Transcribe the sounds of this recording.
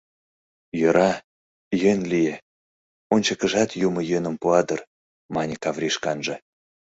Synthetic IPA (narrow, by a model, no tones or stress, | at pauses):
jøɾʔɑ | jønʲlije | onʲt͡ɕəkəʒɑt̪jumə̆jønə̆mpuɑd̪ər | mɑnʲikɑvɾʲiʃkɑnʒɤ̆